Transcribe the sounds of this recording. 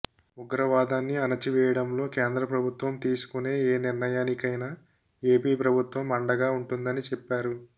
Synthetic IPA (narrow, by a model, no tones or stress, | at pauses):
uɡɾɐʋaːd̪aːnːiɐnɐt͡ʃiʋɛːjɐɽɐmlo̞ːke̞ːnd̪ɾɐpɾɐbʱut̪ʋɐmt̪iːsu̥kune̞ːeːniɾnɐjaːnikɐjna | e̞ːpiːpɾɐbʱut̪ʋɐmɐɳɖɐɡaːuɳʈund̪ɐnit͡ʃɛpːaːɾu